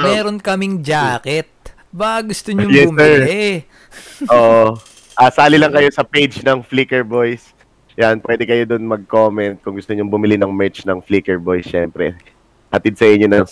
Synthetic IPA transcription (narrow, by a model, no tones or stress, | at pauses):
mɛːɾonkɐmɪŋd͡ʒaːkɛt̪̚ | baʔɐɡʊst̪oɲoŋjɛsbʊmɛlɹɪ | ʔoːʔ | ʔaːsaːlɪlɐŋkɐjo̞sɐpejd͡ʒnɐŋfliːkɛɹbojs | janpwɛd̪ɛkɐjod̪onmɐɡ̚komɛnt̪̚kʊŋɡʊst̪oɲoŋbʊmɪlɪnɐŋmɛɹt͡ʃnɐŋfliːkɛɹbojsʃɛmpɾɛ̰ | hɐt̪id̪̚sɐʔɪɲːonɐŋ